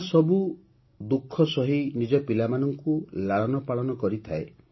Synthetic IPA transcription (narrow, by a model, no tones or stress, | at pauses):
sɔbu | d̪ukʰːɔsɔɦinid͡ʒɔpilamanɔŋkulaɭɔnɔpaɭɔnɔkɔɾit̪ʰae